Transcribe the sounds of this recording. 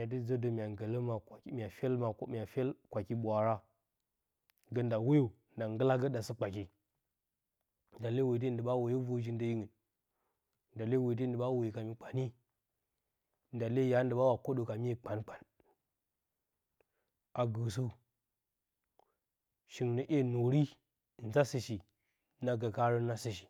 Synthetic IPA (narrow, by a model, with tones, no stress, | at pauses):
a˨t̬i˦d͡zə˦də˨mʲ˨a˨ŋɡə˨lə˦ma˨˦mʲ˨a˨fe˦lma˨kmʲ˨a˨fe˦lkʷa˨ki˦ɓʷa˨ɾa˦ | ɡə˦nda˨wo˦jo˨ | nda˨ŋɡə˦la˦ɡə˦ɗa˨sə˦k͡pa˨ki˦ | n˨da˨le˦we˨t̬i˦˨˦də˨ɓa˦wo˨jo˦vo˦ʒi˦n˦də˦ji˦ŋə˨n | nda˨le˦we˨t̬ə˦n˦də˨ɓa˦wo˨jka˨mi˨k͡pa˨ni˦ | nda˨le˦ja˦n˦də˨ba˦wa˨ko˦ɗo˨ka˨mi˦je˨k͡pa˨nk͡pa˨n | a˨ɡə˨s̬u˦ | ʃi˨ŋnə˨ʔe˦no˨ɾi˦˨ | n̩˨za˦sə˨ʃi˨ | na˦ɡa˨ka˦ɾə˦na˦sə˨ʃi̥˨